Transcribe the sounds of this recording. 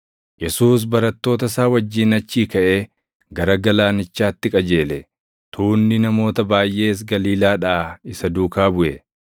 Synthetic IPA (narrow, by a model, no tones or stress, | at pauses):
jɛsuːs̬bɐɾɐt̪ːo̞ːt̪ɐsaːwɐd͡ʒːiːnɐt͡ʃːiːkɐʔe̞ː | ɡɐɾɐɡɐlaːnɪt͡ʃːaːt̪ːɪkʼɐd͡ʒe̞ːlɛ | t̪ʰuːnːɪnɐmo̞ːt̪ɐbaːjʔe̞ːs̬ɡɐliːlaːᶑɐʔaɪsɐd̪uːkaːbʊʔɛ